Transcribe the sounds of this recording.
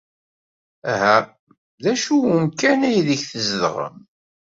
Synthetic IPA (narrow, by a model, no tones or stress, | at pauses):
æɦæ | ðæʃuwumkænæjiðəçθəzðə̰ʁə̰m